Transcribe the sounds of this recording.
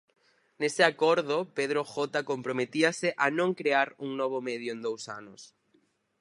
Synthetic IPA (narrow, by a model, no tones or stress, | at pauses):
nesɪakɔɾðʊpeð̞ɾoxɔt̪akompɾomet̪iɐsɪʔanõŋkɾeaɾuŋnɔβ̞omeð̞jʊẽnd̪owsa̰nʊs